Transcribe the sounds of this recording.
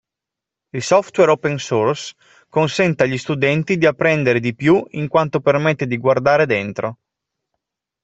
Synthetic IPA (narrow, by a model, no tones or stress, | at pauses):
ilsɔft̪wɛɾopensors | konsɛnt̪aʎist̪ud̪ɛnt̪id̪iapːɾɛnd̪eɾed̪ipjuiŋkwant̪opermɛt̪ːed̪iɡward̪aːɾed̪ent̪ɾo